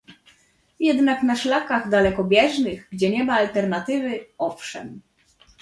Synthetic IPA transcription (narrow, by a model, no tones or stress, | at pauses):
jɛd̪nakn̪aʂlakaɣd̪alɛkɔbʲjɛʐnɘɣɡd͡ʑɛɲɛmaːlt̪ɛɾnat̪ɘvɘɔfʂɛ̰m